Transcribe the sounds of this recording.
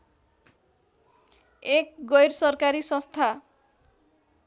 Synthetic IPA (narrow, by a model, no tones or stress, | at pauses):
ek̚ɡʌjɾsʌrkaɾisʌ̃st̪ʰa